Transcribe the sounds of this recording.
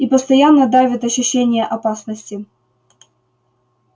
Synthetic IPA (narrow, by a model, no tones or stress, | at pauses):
ipəst̪ɐjanːəd̪avʲɪt̪ɐɕːʊɕːenʲɪjəʔɐpasnəsʲtʲɪ